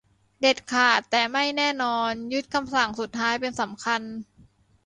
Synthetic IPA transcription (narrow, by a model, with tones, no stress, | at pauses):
de˨˩t̪̚kʰaː˨˩t̪ːɛː˨˩ma˥˩jnɛː˥˩nɔː˧nju˦˥t̪̚kʰa˧msa˨˩˦ŋsu˨˩t̪̚ʰːaː˦˥jpe˧nsa˩˦mkʰa˧n